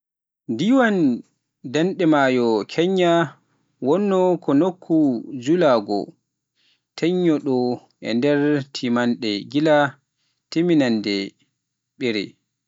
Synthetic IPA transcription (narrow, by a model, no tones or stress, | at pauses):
ndiwan | danɗɛmajɔkʰɛɲːa | wɔnːɔkʰɔnokʰːud͡ʒulaɡɔ̰ | tʰɛɲːɔɗɔ | ʔɛ̰ndɛɾtʰimanɗɛɡila | teminandɛ | ɓɛɾɛ̰